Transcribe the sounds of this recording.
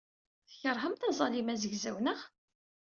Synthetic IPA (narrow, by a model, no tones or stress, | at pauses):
θəçəɾˤɦəmt̪ɑzˤɑlimæzəʝzæwnəʁ